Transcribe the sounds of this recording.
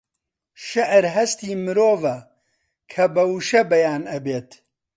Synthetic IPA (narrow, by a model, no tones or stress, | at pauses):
ʃɐʔɾɦɐst̪iːmɨɾoːvɐ | kʰɐbɐwuʃɐbɐjaːnɐbeːt̪